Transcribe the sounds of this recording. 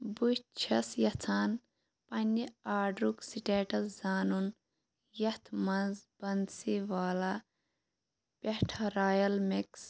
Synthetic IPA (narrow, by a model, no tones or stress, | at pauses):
but͡ʃʰɐsjɐt͡sʰaːn | pɐnʲːiaːɖɾuksiʈeːʈɐszaːnun | jɐht̪ʰmɐnzbɐnsiʋaːla | pʲehʈʰɐɾaːjɐlmiks